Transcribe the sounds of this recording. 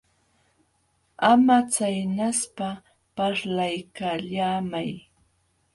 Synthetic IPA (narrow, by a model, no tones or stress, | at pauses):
amat͡sajnaspa | paɾlajkaʎaːmaj